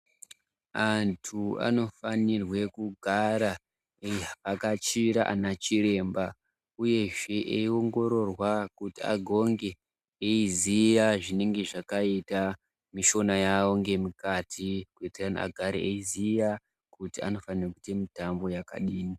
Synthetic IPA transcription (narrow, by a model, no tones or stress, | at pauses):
antʰua̰no̞fanirwe̞kuɡʱaɾa | akat͡ʃiɾaʔa̰nat͡ʃiɾe̞ːmba | uje̞ʐe̞ʔeio̞ŋɡo̞ɾo̞rwakutia̰ɡʱo̞ŋɡe̞ː | izijaʐine̞ŋɡe̞ʐakaita | miʃo̞najao̞ŋɡe̞mukatʰikuiterana̰ɡʱaɾiʔeizija | kutia̰no̞fanirakute̞mitambo̞jaka̰ɗiːni